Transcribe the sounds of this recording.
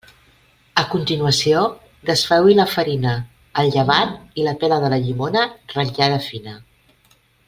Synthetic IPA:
əkunt̪inuəsio | ðəsfɛwiləfəɾinəː | lˠʎəβat̪̚iləpɛləðələʎimonərəaðəfinə

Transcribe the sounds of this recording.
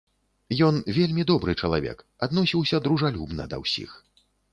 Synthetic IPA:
jɔnvʲelʲmʲid̪ɔbɾɨt͡ʂɐlˠavʲɛ̰k | ad̪nɔsʲiwsʲɐd̪ɾuʐalʲubnɐ̰d̪ɐ̰wsʲḭx

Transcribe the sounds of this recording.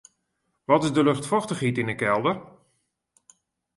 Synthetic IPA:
ʋɔtɪzdəlɵxtfɔxtəχitɪnəkɛlˠdər

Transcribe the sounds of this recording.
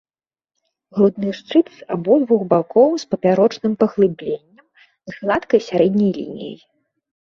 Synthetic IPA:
ɣlud̪nɨʂt͡ʂɨt̪sa̰bɔd̪vuxbakɔwspɐpʲaɾɔt͡ʂnɨmpɐɣlˠɨblʲenʲːɐm | zɣlˠat̪kɐjsʲaɾɛd̪ʲnʲɐjlʲḭnʲḭjɐ̰j

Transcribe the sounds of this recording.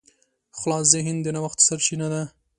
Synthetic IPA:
xʊlɑszeɦɪnd̪enawaxt̪saɾʃinad̪a

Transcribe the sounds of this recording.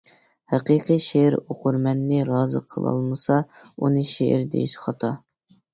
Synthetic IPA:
hæqiqiʃeɾoqʊɾmɛnːɪɾɑːzɨ̰qʰəlˠɑ̰lˠmɨsɑ | unɨʃeʔɪ̰ɾd̪ḛjiʃχɑt̪ʰɑ

